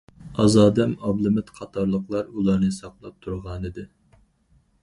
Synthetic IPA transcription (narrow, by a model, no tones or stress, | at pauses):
ɑzɑːd̪ɛmɑblˠɨmɪt̪qʰɑt̪ʰɑɾlˠəqlˠɑɾulˠɑɾnɨsɑqlˠɑp̚t̪ʰuɾʁɑnɨd̪ɨ